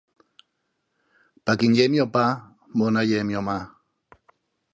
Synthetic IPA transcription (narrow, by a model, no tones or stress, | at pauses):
pakɪnʎemjopa | monajemjoma